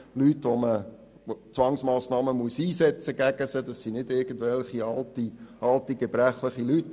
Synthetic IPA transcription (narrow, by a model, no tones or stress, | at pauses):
lytʋomə | t͡sʋɑŋsmɑːsnɑːməmuəsiːsɛt͡səɡæɡəsəd̥ɑsːinɪdɪɾɡ̥ən̩dvɛlχiɑltiʔɑltiɡɛbɾæχləχilyt